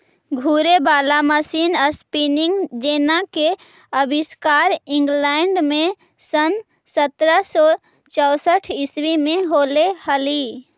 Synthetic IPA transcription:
ɡʱuɾebaːlaməsiːnəspiniŋɡd͡ʒeːnake | əbiskaːɾɪ̃ŋɡlɛːɳɖmẽ | sən | sət̪ɾəsɔ | t͡ʃəʊsəʈʰɪswimẽɦoːlehəli

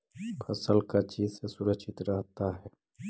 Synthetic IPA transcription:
fʰɐsəlkat͡ʃiːzsesʊɾəkʃʰɪt̪ɾɐɦt̪aɦɛː

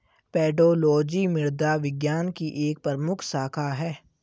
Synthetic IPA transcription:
pɛːɖoːlɔːd͡ʒimɪɾd̪aʋɪɡjaːnkiʔeːk̚pəɾmʊkʰsaːkʰaɦɛː

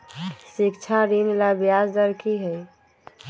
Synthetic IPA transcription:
sikt͡ʃʰaɾinlabjazd̪əɾkiɦəj

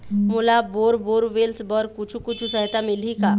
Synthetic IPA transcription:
mʊlaboːɾboːɾʋelsbəɾkʊt͡ʃʰukʊt͡ʃʰusəɦt̪amɪlika

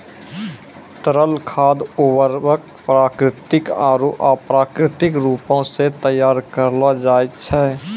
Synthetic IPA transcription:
t̪əɾəlkʰaːd̪ʊwəɾbək̪̚ | pɾaːkɾɪt̪ɪkaːɾoʔaːpɾaːkɾɪt̪ɪkɾuːpõset̪əjːaːɾkəɾlad͡ʒaːt͡ʃʰɛː

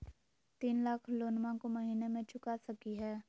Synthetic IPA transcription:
t̪iːnlaːkʰloːnmãkomɐɦiːnemẽt͡ʃʊkasɐkiɦɛː

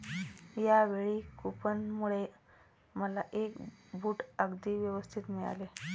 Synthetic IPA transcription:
jaʋeɭikupənmuɭe | məlaʔekbʱuːʈəɡd̪iːʋjəʋəst̪ʰit̪miɭa̰le

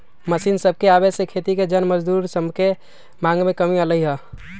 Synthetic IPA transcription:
məsiːnsəb̚ʱkeabesekʰet̪iked͡ʒənməd͡ʒd̪uːɾsəmke | mãːŋɡmẽkəmiələiɦə

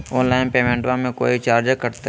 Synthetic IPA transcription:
ɔːnlaːɪnpeːmẽːɳʈʋãmẽko̰ːit͡ʃaːɾd͡ʒəkɐɾt̪e

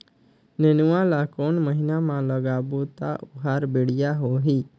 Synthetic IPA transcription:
nenʊwãlakoːnməɦɪnamãləɡaːbot̪a̰ʔʊɦaːɾbeɽɪjaɦoɦi

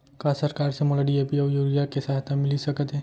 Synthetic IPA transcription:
kasəɾkaɾsemolaɖiepiɐjuːɾijakesaɦt̪amɪlisəkət̪ɦɛ̃

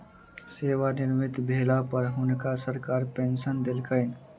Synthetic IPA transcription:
seːʋanɪɾmɪt̪bʱeːlapəɾɦʊnkasəɾkaːɾpẽnsənd̪ɪlkəɪn

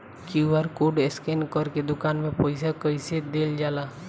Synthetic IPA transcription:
kiuʋəɾkoɖeskenkəɾked̪ʊkaːnmẽpɔɪsakəɪsed̪eːld͡ʒaːlaː

